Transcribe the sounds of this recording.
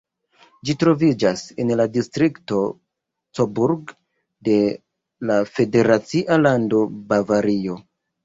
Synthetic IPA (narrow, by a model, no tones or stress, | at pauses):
d͡ʒitɾo̞vid͡ʒasenladistɾikto̞ | t͡sobuɾɡ | de̞ | lafe̞de̞ɾat͡siʔalando̞bavaɾio̞